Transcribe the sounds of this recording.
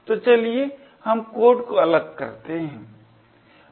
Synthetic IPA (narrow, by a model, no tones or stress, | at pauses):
t̪ot͡ʃɐlie | hɐmkoːʈkoɐləɡ̚kɐ̰ɾt̪eɦɛ̃ː